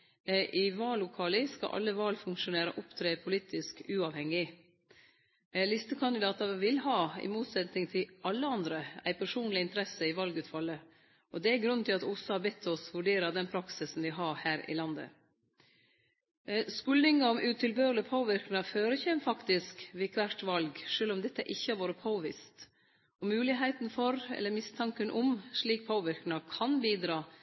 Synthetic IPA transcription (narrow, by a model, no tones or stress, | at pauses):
ʔɪʋɑːlːʊkʰɑlɪskɑ̰ʔɑ̰lːəʋɑːlfʉŋkʂʊneːɾə̰ʔʊpt̪ʰɾeːpʰʊliːt̪ʰɪskʉːɑʋhɛŋːɪ | lɪst̪əkʰɑnd̪ɪd̪ɑːt̪ɑʋɪlhɑːɪ̰muːt̪sɛt̪nɪŋt̪ʰɪʔɑlːəɑnd̪ɾəæ̰ɪpʰæʂuːnlɪɪnt̪əɾɛsəɪʋɑlɡʉːt̪fɑlːə | ʔɔd̪ɛæɪɡɾʉnːt̪ʰɪlɑt̪ʊsɑbɛt̪ʰːɔsʋʉɖeːɾəd̪ɛnpʰɾɑksɪsn̩ʋɪɦɑɾhæːɾɪ̰lɑnd̪ə̰ | skʉlnɪŋɑɔmʔʉːt̪ʰɪlbøːɾlɪpʰoːʋɪɾknɪɑføːɾəçɛmfɑkt̪ɪskʋɪkʋæʈʋɑlɡʂøːlɔmd̪ɛt̪ːəʔɪçːəɑɾʋoːɾəpʰoːʋɪst̪ | ɔmʉːlɪɦæɪt̪nfɔɾɛ̰lːəɾmɪst̪ʰɑŋkənʔɔmʂɭiːk̚pʰoːʋɪɾknɪɑkʰɑnbiːd̪ɾɑː